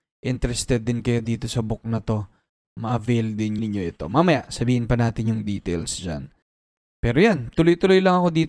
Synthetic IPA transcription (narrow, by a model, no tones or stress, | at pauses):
ʔɪnt̪ɛɾɛst̪ɛd̪ːɪnkɐjo̞d̪iːt̪o̞sɐbʊk̚nɐt̪o̞ | mɐʔɐvɛjld̪ɪnnɪɲjo̞ʔɪt̪o̞̰maːmɐjaʔsɐbiːhɪnpɐnaːt̪ɪnjʊŋd̪iːt̪ɛlsd͡ʒa̰n | pɛːɾojant̪ʊlojt̪ʊlo̞jlɐŋɐko̞d̪iːt̪